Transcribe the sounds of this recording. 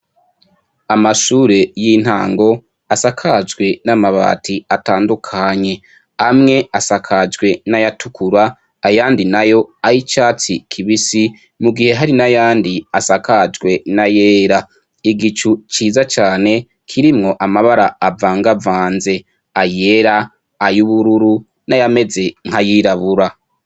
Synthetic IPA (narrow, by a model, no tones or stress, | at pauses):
amaʃuːɾe̞jin̥ha̰ːŋɡo̞ | asakʰad͡ʒɡwe̞namaβa̰ːtʰiataːndukʰaɲe̞ | amŋe̞asakʰad͡ʒɡwe̞najatukʰuɾaː | jaːndinajo̞aɾit͡ʃaːt͡sikʰiβisi | muɡihe̞ɦaɾinajaːndiasakad͡ʒɡwe̞naje̞ːɾa | iɡit͡ʃut͡ʃiːzat͡ʃaːne̞ | kʰiɾimŋo̞ʔamaβaɾaːvaːŋɡavaːnze̞ | aje̞ɾaː | juβuɾuɾu | najame̞ze̞ŋ̥hajiːɾaβuɾa